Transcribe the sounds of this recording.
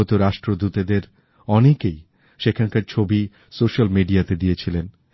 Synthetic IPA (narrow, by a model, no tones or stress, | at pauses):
ot̪oɾaʃʈɾod̪ut̪ed̪eɾ | ɔnekej | ʃekʰankaɾt͡ɕʰobi | soʃalmiɖiat̪ed̪iet͡ɕʰilen